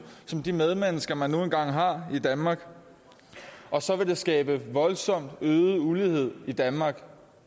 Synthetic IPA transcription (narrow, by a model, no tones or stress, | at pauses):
sɒ̽md̥imeð̞ˠmenəsɡ̥ɐmænːo̝ːn̩ɡ̥ɑ̈ŋ̰ɦɑ̈id̥ænmɑ̈ːɡ̥ | ʔɒ̽sɒ̽ʋe̝d̥e̝sɡ̥ɛːb̥əʋɒ̽lsɒ̽m̰d̥øːð̩ˠulihe̝ð̞̰ˠid̥ænmɑ̈ːɡ̥